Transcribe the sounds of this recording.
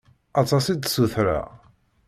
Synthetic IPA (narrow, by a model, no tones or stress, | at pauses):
ɑt̪ˤɑsid̪suθɾa̰